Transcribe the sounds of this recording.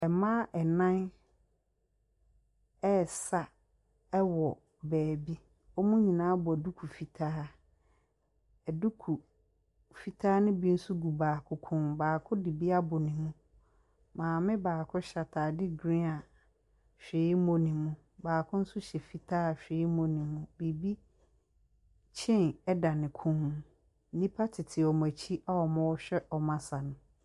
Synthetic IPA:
ɛ˨mã˦ʔɛ˨nã˦n | ɛ˦˨sa˨ | ɛ˦wɔ˨ | bɛː˨bi˦ | ɔ˦mũ˦ɲĩ˨nãː˦bɔ˨ɛ˨du˦kʰu˨fi˨tʰaː˦ | ɛ˨du˦kʰu˨ | fi˨tʰaː˦nʊ̃˦bi˦n̩˦su˦ɡu˨baː˨kʰʊ˨kʰʊ̃˦mbaː˨kʰʊ˦dɪ˨bi˦a˦bʊ˨nĩ˨mũ˦ | mãː˨mɪ̃˦baː˨kʰʊ˦ɕa˨tʰaː˨dɪ˦ɡɾĩ˦a˨ | ɕᶣɪ˨i˦mõ˨nĩ˨mũ˦ | baː˨kʰʊ̃˦n̩˦sʊ˦ɕɛ˨fi˦tʰaː˦a˨ɕᶣɪ˨i˦mõ˨nĩ˨mũ˦˨bi˨bi˦ | t͡ɕʰɛ̃˦nɛ˦da˨nɪ̃˨kʰʊ̃˦m̩˨˦ | nĩ˦pʰa˦tʰɪ˨tʰɪ˨ɔ˨mã˨t͡ɕʰi˦a˦wɔ˨mã˦wɔ˦ɕᶣɛ˦ʔɔ˨mã˨sa˨nʊ̃˨

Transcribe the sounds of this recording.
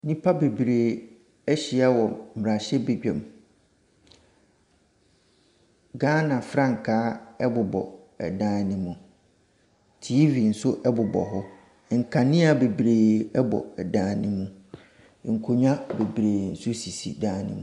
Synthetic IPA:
nĩ˦pʰa˦be˨bɾeː˨ | ɛ˦ɕi˨a˦wɔ˨m˨ɾa˨ɕɛ˦be˨d͡ʑᶣɛ̰̃˨m | ɡãː˦nã˨fɾã˦ŋ̩˨kʰaː˦ɛ˦bʊ˨bɔ̰˨ | ɛ̰˨dãː˦nɪ̃˦mũ˨ | tʰi˦vi˨n̩˨sʊ˦ʔɛ˦bʊ˨bɔ̰˨ɦɔ˦ | ŋ̩˨kʰa˨nɪ̃˦a˨be˨bɾeː˨ɛ˦bɔ̰˨ɛ˨dãː˦nɪ̃˦mũ˦˨ | ŋ̩˨kʰo˨ɲã˦be˨bɾeː˨n̩˨sʊ˦si˨sḭ˨dãː˦nɪ̰̃˦mũ˦˨

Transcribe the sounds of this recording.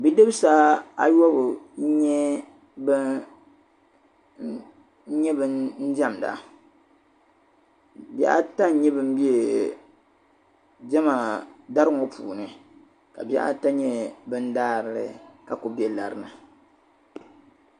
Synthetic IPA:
bi˦dɨ˦bsaː˦a˦jɔ˦bɨ˨˦ɲɛ˦ | bɨ˦ | ɲɛ˦bɨ˦nn̩˦d͡ʒa˦m˨da̰˨ | ba̰˦a̰˦ta˦n̩˦ɲɛ˦bɨ˦m̩˦bi˦e˨ | d͡ʒɛ˦ma˨da˦ɾɨ˦ŋo˦pʰṵː˨nɨ˨ | ka̰˨bi˦a̰˦ʔa̰˦ta˦ɲɛ˦bɨ˦n̩˦daː˦ɾɨ˨lɨ̰˦ka˨ko˨bi˦ɛ˦la̰˨ɾɨ˨nɨ˨

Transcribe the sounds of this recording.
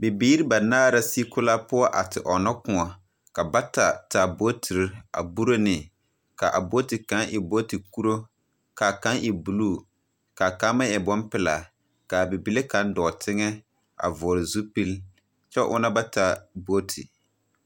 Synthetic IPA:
bɪ˨biː˦ɾɪ˦ba˨naː˦ɾa˦si˦kʊ˦la˦pʊ˦ɔ˦ʔa˨tɪ˨ʔɔ˨nɔ˦kʊ˨ŋɔ˨ | ka˨ba˦ta˨ta˨bo˦tʰi˨ɾa̰˨bu˦ɾo˦nɪ˨ | ka˨ʔa˨bo˦ti˨kã˨˦ŋʔɪ˨bo˦ti˨ku˦ɾo˦ | ka˨ka˦ŋʔɪ˨bu˨luː˦˨ | ka˨ka˦ma˦jɛ˨bɔ˦mpɪ˨la̰˨ | ka˨bi˨bi˨le˦ka˨˦n˦dɔː˨tʰɪ˦ŋɛ˦ | a̰˨vɔ˨ɾɪ˨zu˦pi˦l | t͡ʃɛ˦ʔʊ̰˦na˦ba˦ta˨bo˦tʰḭ˨

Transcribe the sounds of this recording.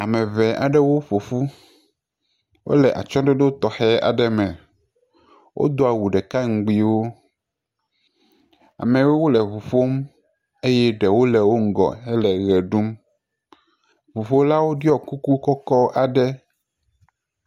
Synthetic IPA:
a˨mɛ̃˨vɛ˨ʔa̰˨ɖɛ˦wo˦ɸo˨fu˦ | wʔo̰˦lɛ˨ʔa̰˨t͡ʃɔ̃˦ɖe˦ɖo˦t̪ɔ˨xɛ˦a̰˨ɖɛ˦mɛ̃˨ | wʔo̰˦d̪o˦a˨wu˨ɖɛ˨ka˦ŋ̩˨ɡ͡bi˨wo˦ | a̰˨mɛ̃˨we˦wo˦lɛ˨βu˨fo˦m | e˦jɛ˦ɖɛ˨wo˦lɛ˨wo˦ŋ̩˦ɡɔ̰˨ɦɛ˦lɛ˨ɣɛ˨ɖu˦m | vu˨fo˦la˦wo˦ɖi˦ɔ˨ku˦ku˦kɔ˦kɔ˦ʔa˨ɖɛ˦

